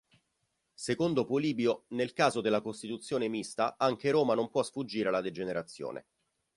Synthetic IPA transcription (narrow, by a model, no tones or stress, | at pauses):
sekond̪opoliːbjonelkaːzod̪elːakost̪it̪ut̪sːjoːnemist̪aaŋk̟eɾoːmanompwɔsfud͡ʒːiːɾelad̪ed͡ʒeneɾat̪sːjo̰ːnḛ